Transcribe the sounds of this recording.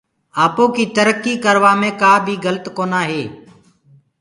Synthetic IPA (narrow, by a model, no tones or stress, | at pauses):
aːpoːkiːt̪əɾəkːiːkəɾʋaːmẽːkaːbʱiːɡələt̪koːnaːɦeː